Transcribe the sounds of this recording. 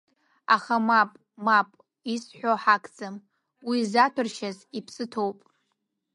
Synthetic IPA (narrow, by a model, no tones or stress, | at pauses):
a̰χamapʼ | mapʼ | isħʷᶣoħakʰʼd͡zam | wizatʷʰɨrʃazipʰsɨtʰo̞wpʼ